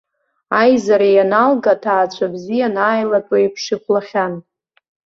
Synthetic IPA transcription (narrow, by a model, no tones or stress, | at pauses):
ajzaɾejanalɡatʰaːt͡ɕʷʰabzijanaːjlatʼwaipʰʂɨkʷʰlaχʲan